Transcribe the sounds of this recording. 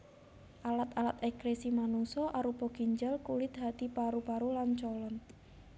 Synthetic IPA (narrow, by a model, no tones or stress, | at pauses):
ʔalat̪alat̪ɛkɾesimanuŋsɔʔaɾupɔɡ̥iɲd͡ʒəlkulɪt̪̚ɦat̪ipaɾupaɾulant͡ʃɔlɔn